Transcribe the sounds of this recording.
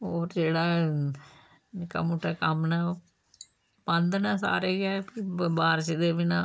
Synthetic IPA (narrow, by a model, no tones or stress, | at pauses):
oːɾd͡ʒeːɽaː | nɪka̰ːmuʈːaːkəmnãː | pə̃nd̪naːsa̰ːɾeːɡɛːpɪbaːɾt͡ʃed̪eːʋɪnãː